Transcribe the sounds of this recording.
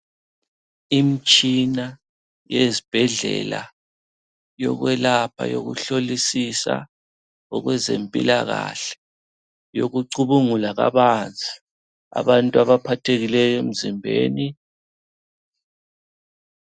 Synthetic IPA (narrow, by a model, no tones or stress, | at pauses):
imit͡ʃʼina | jezib̥ʱɛɮɛ̰la | jɔɣwɛlapʰa̰jo̰ɣṵɬolisisa̰ | ɔɣwɛzempʼḭlaɣaɬɛ̥ | joɣuǀuβuŋulaɣa̰βand͡zʱʼi | a̰βantʼuaβapʰatʰeɣilɛjɔem̩zimbʱeːni